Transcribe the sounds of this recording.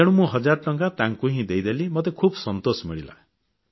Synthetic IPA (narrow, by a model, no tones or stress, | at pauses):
eɽ̃ũmũɦɔd͡ʒaɾɔʈɔŋkat̪ãŋkuɦĩd̪ejd̪elimɔt̪̬ekʰubɔsɔnt̪osɔmiɭila̰